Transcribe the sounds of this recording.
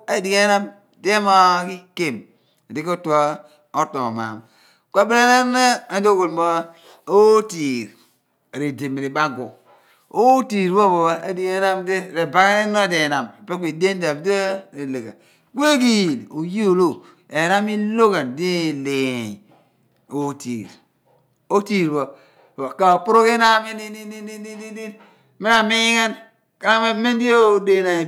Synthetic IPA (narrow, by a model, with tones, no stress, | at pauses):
e˨˦di˨ke˦na˦m | de˦ma˦ki˦ke˦˨m˨ | di˦ko˦tu˨a˦ | o˦to˨ma̰˨m | ka˨bi˦a˦na˦ɾna˦a˨˦o˦ko˨lmo˦ | o˦ti˨ɾ | ɾe˨de˨m˨ɾi˨ba˦ɡo˨ | o˦ti˨ɾwo˦bo˨a˦a˦di˨ɡe˦na˦mde˦ɾe˨ba˨kne˦no˦de˨na˨me˨pe˦kʷe˨de˦n˦da˨bdɾe˨le˨ɡa̰˨ | ke˦k̬i˦ji˨lu˨ji˦o˨lo˦˨ | e˨na˦mi˦lo˦ɣa˨ndi˦˨le˨ | o˦tiː˨ɾ | o˦ti˦˨ɾbo˨ | a˨ka˨o˨pu˦ɾo˦ke˦na˦mi˦ni˦ni˦i˦i˦i˦i˦i˦ | me˦ɾa˨mi˦ka˦n | ka˦na˦me˦me˦n˦di˦o˦˨de˦na˨